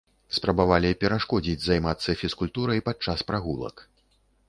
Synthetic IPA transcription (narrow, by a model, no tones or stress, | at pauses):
spɾɐbavalʲipʲɛɾaʂkɔd͡zʲid͡zʲzajmat̪sːɐfʲiskulʲt̪uɾɐjpat͡ʂːaspɾaɣulˠɐ̰k